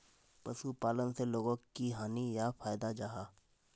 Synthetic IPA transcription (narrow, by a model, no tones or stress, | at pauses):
pɐsupaːlənseloːɡõkiɦaːnijafaːjd̪ad͡ʒaɦaː